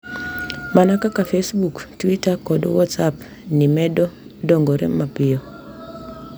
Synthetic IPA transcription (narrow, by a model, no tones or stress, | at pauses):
manakakafesbuktwitakɔdwɔtsap | nɪmɛdɔ | dɔŋɡɔɾɛ̰mapɪjɔ